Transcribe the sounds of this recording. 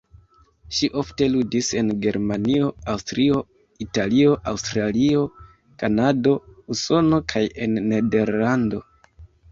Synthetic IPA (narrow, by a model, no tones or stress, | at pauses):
ʃiʔo̞fte̞ludise̞nɡe̞ɾmanio̞awstɾio̞ | italio̞ʔawstɾalio̞ | kanado̞uso̞no̞kʰaje̞nːe̞de̞ɾlando̞